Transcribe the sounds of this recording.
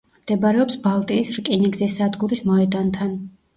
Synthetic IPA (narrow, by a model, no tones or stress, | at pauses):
md̪̥ɛbaɾɛɔpsbalˠt̪ʼiːsɾkʼiniɡzisːad̪ɡuɾismɔɛd̪ant̪ʰan